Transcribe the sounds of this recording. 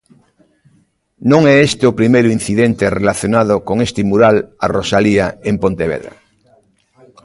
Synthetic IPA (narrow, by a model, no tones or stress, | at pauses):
nõŋeest̪eopɾimejɾuin̟θiðent̪erelaθjonað̞okoŋest̪imuɾalarosaliaempõnt̪eβeðɾa̰